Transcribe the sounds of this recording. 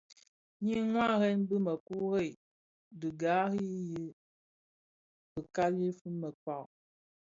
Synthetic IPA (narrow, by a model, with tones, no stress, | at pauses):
ɲi˦ŋwa˦ɣɛ˦nbɨ˦mə˨ku˦ɣe˦˨ | dɨ˨ɡa˨˦ɣii˦ji˦ | bə˨ka˦li˦fu˦mə˨ka˦˨